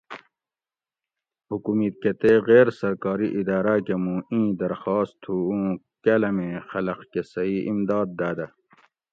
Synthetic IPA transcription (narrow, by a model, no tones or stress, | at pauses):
hukumit̪̚ket̪eɣeːɾsɐɾkɑːɾiʔid̪ɑːɾakemũːĩːd̪ɐɾxɑːst̪ʰːuũː | kɐlɐmẽːxɐlɐqkesɐiːimd̪ɑːd̪̚ːaːd̪ɐ